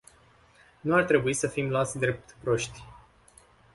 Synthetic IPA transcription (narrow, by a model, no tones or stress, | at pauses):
nuart̪ɾe̞buisəfimloat̪sʲd̪ɾe̞p̚t̪pɾo̞ʃt̪ʲ